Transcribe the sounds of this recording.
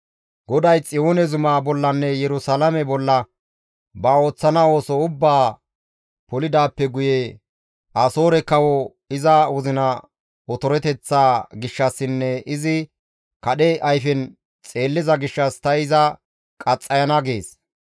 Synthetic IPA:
ɡɔd̪ɐjt͡sʼɪjo̞ːnɛzʊmaːbɔlːɐnːɛjɛɾʊsalɐmɛbɔlːɐ | bɐo̞ːt͡sːɐnɐo̞ːsɔʊbːaː | pɔlɪd̪aːpːɛɡʊje | ʔɐso̞ːɾɛkːɐwɔ | ɪzɐwʊzɪnɐ | ɔt̪ɔɾɛt̪ɛt͡sːaːɡɪʃːɐsːɪnːɛʔɪzɪ | kɐɗɛʔɐjfɛn | t͡sʼe̞ːlːɪzɐɡɪʃːɐst̪ɐɪzɐ | kʼɐt͡sʼːɐjɐnɐɡḛːs

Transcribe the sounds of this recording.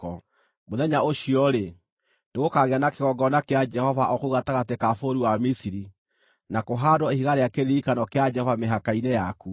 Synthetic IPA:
ɔ | moðɛɲaoʃiɔɾe | neɣokaɣeanakeɣɔɡɔnakead͡ʒɛhɔvaʔɔkouɣataɣatekafoɾiwamisiɾi | nakoɦadwɔihiɣaɾeakeɾiikanɔkead͡ʒɛhɔvameɦakainɛjaku

